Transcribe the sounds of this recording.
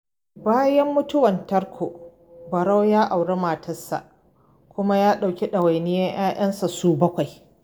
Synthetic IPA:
baː˦jɐ˦mːʊ˦tʊ˦wɐ˨ntɐ˦ɾkʷʰoː˨ | bɐ˨ɽa˦wjaː˦ʔa˨wɽe˦maː˨tʰɐ˦sa̰˨ʔ | kʷʊ˦ma˦jaː˦ɗa˨wkʲi˦ɗɐ˨wa˨jnɪ˦jɐ˦ɲj̰aː˦ʔɐ˦nsa˨suː˦bɐ˦kʷa˨j

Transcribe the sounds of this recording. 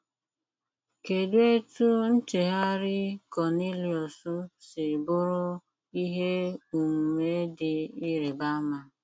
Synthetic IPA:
ke˨dwe˦tu˦n̩˦t͡ʃe˨ɦa˦ɾɪ˦kɔ˨ni˦li˨ɔ˨su˦sɪ˨bʊ˦ɾʊ˦ | i˦ɦe˦u˨m̩˨me˦dɪ˨i˦ɾe˨ba˦ma˦

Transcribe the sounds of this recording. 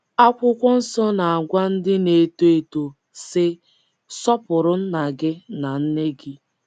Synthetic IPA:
a˦kʷʊ˦kʷɔ˦n̩˦sɔ˦na˨a˨ɡʷa˦n̩˦dɪ˦ne˨to˦e˨to˨ | sɪ˦ | sɔ˦pʊ˨ɾʊ˦n̩˦na˨ɡɪ˦na˨n̩˦ne˦ɡɪ˦

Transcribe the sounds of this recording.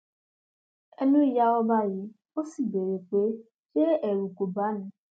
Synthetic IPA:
e˦nũ˦i˦ja˦ɔ˦ba˦jɪ˨ | o˦si˦˨be˨ɾe˨k͡pe˨˦ | t͡ʃe˦ʔe˨ɾu˨ku˨ba˨˦nɪ̃˨

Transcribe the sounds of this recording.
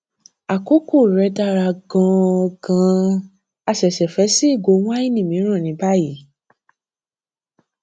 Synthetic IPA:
a˨ko˨˦ko˦˨ɾɛ˨˧˦da˦ɾa˧ɡɔ̃˧ɔ˧ɡã˧ | a˧ʃɛ˨ʃɛ˨fɛ˨˦si˦i˦˨ɡo˨˧˦w̃ɔ̃˦i˦˨nĩ˨mĩ˨˦ɾ̃ã˦˨nĩ˨˦ba˦ji˨˦

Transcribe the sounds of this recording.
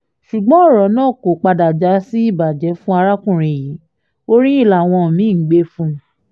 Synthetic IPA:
ʃu˨ɡ͡bɔ̃˨˦ɔ˦˨ɾɔ˨˦nãː˦˨ko˨k͡pa˧da˨d͡ʒa˨˦si˦i˦˨ba˨d͡ʒɛ˨˦fũ˦a˧ɾa˦kũ˦˨ɾ̃ĩ˧˨ji˨˦ | o˦ɾĩ˦i˦˨la˨w̃ɔ̃˧˨mĩ˨˦˨ɡ͡be˦fũ˦

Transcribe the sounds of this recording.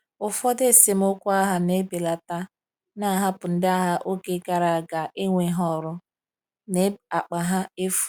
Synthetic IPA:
ʊ˨fɔ˦de˦˨se˨m̩˦ʊ˦kʷʊ˦a˦ɦa˨ne˦be˨la˨ta˦ | na˦ɦa˦pʊ˨n̩˦da˦ɦa˦ʔo˦ke˨ɡa˨ɾa˨a˨ɡa˨ʔɪ˦ŋʷe˨˦ɦɔ˦ɾʊ˦ | ne˦a˨k͡pa˨ɦa˦e˦fu̥˨

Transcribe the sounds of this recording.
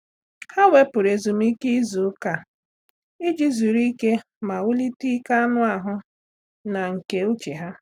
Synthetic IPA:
ha˦we˦pʊ˨ɾe˨zu˨m̩˦i˦ki˦zu˨˦ka˨ | i˦d͡ʒi˦zu˨ɾi˦ke˦ | ma˨ʊ˦li˦ti˦ka˦nʊ˦a˨ɦʊ˦ | na˨ŋ̩˨ke˨u˦t͡ʃe˨ɦa˦

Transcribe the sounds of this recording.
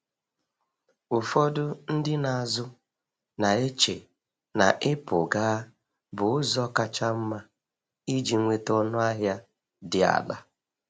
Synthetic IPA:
ʊ˨fɔ˦dʊ˦n̩˦dɪ˦na˨zʊ˦ | na˨e˦t͡ʃḛ˨ | na̰˨ʔɪ˦pʊ˨ɡaː˦ | bʊ˨ʊ˦zɔ˦ka˦t͡ʃa˦m̩˦ma˦ | i˦d͡ʒi˨ŋʷe˦tɔ˦nʊ˦a˦ɦja˦ | dɪ˨a̰˨da˦

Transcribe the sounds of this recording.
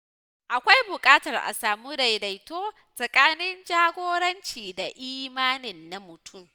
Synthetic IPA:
ʔa˨kʷa˦jbʊ˨kʼaː˦tɐ˨rʔa̰˨saː˨mu˦da˨jda˨jtoː˦ | sʼɐ˨kʼaː˦nɪ˦nd͡ʒaː˦ɡʷoː˦ɽɐ˦nt͡ʃiː˨da˨ʔiː˦maː˦nɪ˨nːa˨mʊ˨tʰʊ˦˨m

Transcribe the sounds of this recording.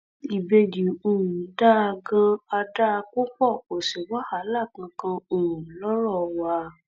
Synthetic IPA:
i˨be˧di˨o˨ɾũ˨˦da˦a˧ɡã˧a˧da˦˧k͡po˦k͡pɔ˦˨ko˨si˨wa˦ha˨˦la˦˨k̩˨˧˦kã˧o˨ɾũ˨lɔ˦ɾɔ˦˨wa˧˦

